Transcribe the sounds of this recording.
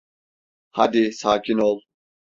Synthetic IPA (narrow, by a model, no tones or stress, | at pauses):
had̪isaːcʰinolˠ